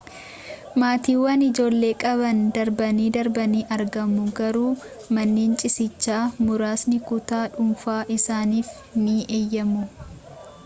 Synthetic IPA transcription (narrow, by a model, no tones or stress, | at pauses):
maːt̪iːwːɐnɪd͡ʒo̞ːlːe̞ːkʼɐβɐnd̪ɐɾbɐniːd̪ɐɾbɐniːʔɐɾɡɐmʊɡɐɾuː | mɐnːeːnt͡ʃʼɪsɪt͡ʃːaːmʊɾaːsnɪkʊt̪aːᶑʊmfaːʔɪsaːniːf | niʔeːjːɐmʊ